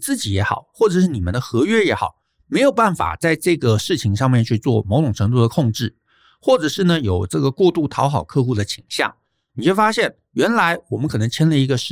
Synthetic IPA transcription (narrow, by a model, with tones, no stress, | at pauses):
t͡sɹ̩˥˩t͡ɕi˨˥jɛ˧˥xɑ̰˨˩˦ʊxwɔ˥˩ʈ͡ʂɤ˨˩ʂɻ̩˥˩ni˨˩mə˦nd̪ə˧xɤ˧˥ɥɛ˥˩jɛ˧˥xɑ̰˨˩˦ʊ | me˧˥ɪjo˨˩ʊpa˥˩nfa̰˨˩t͡sa˥˧ɪʈ͡ʂɤ˥˩ɡə˩ʂɻ̩˥˩t͡ɕʰi˧˥ŋʂɑ˥˧ŋmjɛ˥˧nt͡ɕʰy˥˧t͡swɔ˥˩mo˧˥ʊʈ͡ʂʊ˨˩ŋʈ͡ʂʰɤ˧˥ŋt̪̬u˥˩d̪ə˩˨kʰʊ˥˧ŋʈ͡ʂɻ̩˥˩ | xwɔ˥˩ʈ͡ʂɤ˨˩ʂɻ̩˥˩nə˩jo˨˩ʊʈ͡ʂɤ˥˩ɡə˩kwɔ˥˧t̪u˥˩t̪ʰɑ˧˥ʊxɑ˨˩ʊkʰɤ˥˧xu˥˩d̪ə˩t͡ɕʰi˨˩ŋɕjɑ̰˥˩ŋ | ni˨˩t͡ɕwo˥˩ɪfa˥ɕjɛ˥˩n | ɥɛ˧˥nla˧˥ɪwɔ˨˩mə˦nkʰɤ˨˩nɤ˧˥ŋt͡ɕʰjɛ˥nlə˧i˧˥ɡə˧ʂɻ̩˥˩